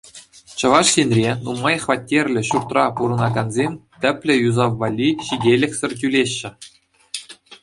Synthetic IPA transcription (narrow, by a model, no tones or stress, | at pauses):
t͡ɕɤ̆ʋɑʂsenʲrʲenumɑjχvɑtʲːerʲlʲɘ̆ɕurt̪rɑpuɾɤ̆nɑɡɑnzʲemʲt̪ʲɘ̆pʲlʲɘ̆juzɑʋːɑlʲːiɕidʲelʲɘ̆kʲsʲɘ̆rʲt̬ʲylʲeɕːɘ̆